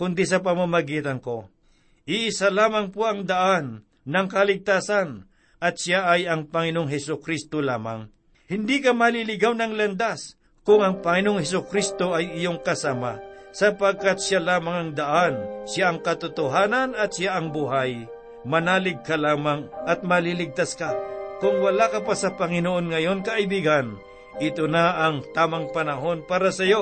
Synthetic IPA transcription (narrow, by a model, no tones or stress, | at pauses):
kʊnd̪isɐp̬ɐmamɐɡiːt̪ɐnko̞ | ʔɪʔɪsalaːmɐŋpoɐŋd̪ɐʔanː | ɐŋkɐlɪɡ̚t̪aːsan | ʔɐt̪ʃjaʔɐjɐŋpɐŋɪnoŋɦɛsʊkɾist̪ola̰ːma̰ŋ | hɪnd̪ikɐmɐlilɪɡawnɐŋlɐnd̪as | kʊŋɐŋpɐŋɪnoŋhɛs̬ʊkɾist̪o̞ɐjɪjoŋkɐsamasɐpɐɡ̚kat̪̚ʃalaːmɐŋɐŋd̪ɐʔanʃjaʔɐŋkɐt̪ʊt̪oɦaːnɐnɐt̪̚sjaʔɐŋbuɦaj | mɐnaːlɪɡ̚kɐlaːmaŋʔɐt̪̚mɐlilɪɡ̚t̪askakʊŋwɐlakɐpasɐpɐŋɪnoʔonŋɐjo̞nkɐʔɪbiɡan | ʔɪt̪onaʔɐŋt̪aːmɐŋpɐnɐɦo̞npaːɾɐsɐjo̞